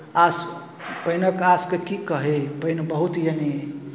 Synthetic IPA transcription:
as | pəjnəkaskekikəɦepəjnbəɦut̪jene

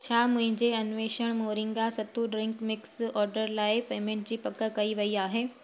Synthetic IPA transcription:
t͡ɕʰaːmʊ̃ɦɪ̃ɲd͡ʑeɐnʋeːʃəɽ̃moːɾɪ̃ŋɡasɐt̪uɖɾɪ̃ŋkmɪksɔːɾɖəɾlaːɪpeːmẽɳʈ̚d͡ʑiːpɐkəkɐiʋɐiaːɦeː

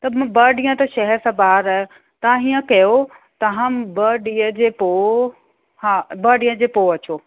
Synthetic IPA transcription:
t̪ɐmbɐːɖijə̃t̪ɐʃɐɦɛɾsãːbaːɾɐ | t̪ɐãɦiːə̃kɐjot̪ɐɦɐ̃mbɐɖiəd͡ʑeːpo | haːbɐːɖiːə̃d͡ʑeːpoːɐt͡ɕʰoː

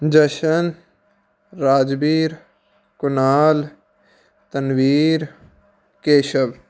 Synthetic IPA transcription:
d͡ʒɐʃən | ɾaːd͡ʒbiːɾ | kʊnaːl | t̪ɐnwiːɾ | keːʃəb

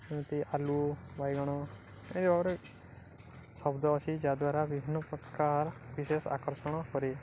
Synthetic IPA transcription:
enɔt̪iʔalubajɡɔɽ̃ɔ | ed̪ibabɔɾe | sɔbd̪ɔːt͡ʃʰid͡ʒad̪waɾabibʱinːɔpɾɔt̪kaɾbisesa̰kɔɾsɔɽ̃ɔkɔɾi

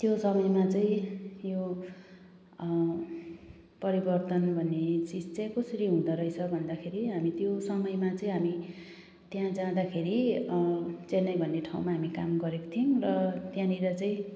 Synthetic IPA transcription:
t̪josʌmʌjmat͡saĩjo | pʌɾibʌrt̪ʌnbʱʌnːet͡sit͡st͡sʌjkosʌɾiɦũd̪ʌɾʌjt͡sʰʌbʱʌnd̪akʰeɾiɦamit̪josʌmʌjmat͡saĩɦami | t̪jãd͡zãd̪akʰeɾi | t͡senʌjbʱʌnːeʈʰauw̃maɦamikamɡʌɾeko̥t̪ʰionrʌt̪jãniɾʌt͡saĩ

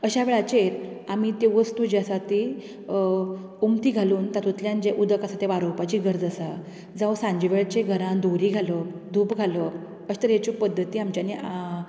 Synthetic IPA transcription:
əɕaʋeɭat͡ɕeɾ | amit̪eʋəst̪ud͡ʑasat̪i | umt̪iːɡʱaluːnt̪at̪ut̪ljãnd͡ʑeʔud̪əkasat̪eʋaɾowpat͡ɕiɡʱəɾd͡zəsa | d͡zaʋsãɲd͡ʑiʋeɭt͡ɕeɡʱəɾãnd̪ʱoɾiːɡʱaləd̪ʱuːpɡʱalə | əɕi̥t̪əɾɦet͡ɕipəd̪ʱːət̪iːamt͡ɕjania

